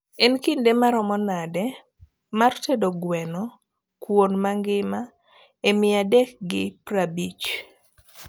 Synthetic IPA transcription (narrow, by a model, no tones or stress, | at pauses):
ɛnkindemaɾɔmɔnadɛ | martedoɡwɛnɔ | kwonmaŋɡɪma | emɪadɛk̚ɡɪprabit͡ʃ